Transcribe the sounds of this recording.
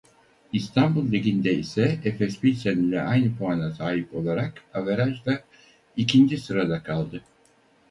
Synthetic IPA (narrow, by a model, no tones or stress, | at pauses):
ist̪ʰambulˠːiɟʲind̪ɛisɛɛfɛspisenʲilʲɛʔajnɯpʰoanasaːɦipo̞lˠaɾakaveɾaʒd̪a | icʰind͡ʒisɯɾad̪akʰalˠd̪ɯ